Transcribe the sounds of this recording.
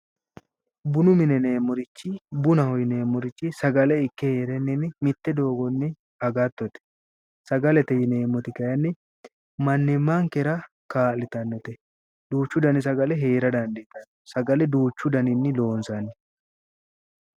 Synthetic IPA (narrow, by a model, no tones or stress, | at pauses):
bʊnʊmɪnɛneːmːɔɾɪt͡ʃːɪbʊnɐhɔjɪne̞ːmːɔɾɪt͡ʃːɪsɐɡɐlɛɪkːɛheːɾɛnːɪnɪmɪt̪ːɛd̪o̞ːɡɔnːɪ | hɐɡɐt̪ːɔt̪ɛ̥ | sɐɡɐlɛt̪ɛjɪneːmːɔt̪ɪkɐjɐnːɪ | mɐnːɪmːaŋkɛɾɐ | kaːlɪt̪ɐnːɔt̪ɛ | d̪̥uːt͡ʃːʊd̪ɐnɪs̬ɐɡɐlɛɦeːɾɐd̪ɐnd̪ɛt̪ɐnːɔsɐɡɐlɛd̪uːt͡ʃːʊd̪ɐnɪnːɪlo̞ːnsɐnːɪ